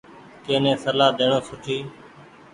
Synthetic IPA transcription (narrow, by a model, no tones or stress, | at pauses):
kẽːnẽːsəlaːd̪eːɳõːsʊʈʰiː